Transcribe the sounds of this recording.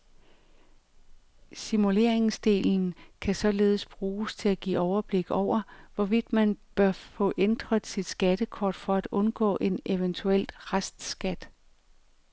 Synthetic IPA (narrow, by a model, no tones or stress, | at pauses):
simule̝ɐ̰e̝ŋsd̥e̝̰ːln̩kʰæsɒ̽le̝ːð̞̩ˠəsb̥ʁuːst͡sʰe̝læɡ̥ḭːɒʊɐb̥le̝ɡ̥ɒʊ̰ɐʋɒʋid̥mænb̥ɶɐfɔ̽ʔend̥ʁɐð̩ˠsid̥sɡ̥æd̥əkʰɒːd̥fɒ̽æd̥ɔ̽nɡ̥ɔ̰̽ːʔe̝ne̝ʋənt͡sʰuel̰d̥ʁasd̥sɡ̥æd̥